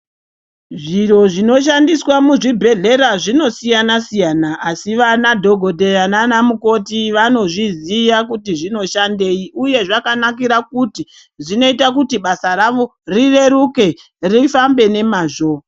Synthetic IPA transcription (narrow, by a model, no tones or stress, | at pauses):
ʐiro̞ʐino̞ʃ̬andiswamuʐibʱe̞ɮe̞ɾaʐino̞sijanasijanaʔːsiʋanadʱo̞ɡʱo̞dʱe̞ananamuko̞tiʋano̞ʐizijak̬utiʐino̞ʃande̞iuje̞ʐakanak̬iɾakuti | ʐino̞itakutiɓasaraʋo̞ | rire̞ɾuke̞ | rifambe̞ne̞maːʐo